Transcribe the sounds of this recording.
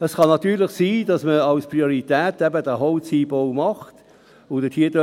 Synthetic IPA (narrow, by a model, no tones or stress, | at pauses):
əsχɑnɑt̪yːɾlɪχsiːdɑsməɑwspʁioʁitɛːtɛbədəɦɔwt͡siːbowmɑχt | ʊd̥ətʰiədə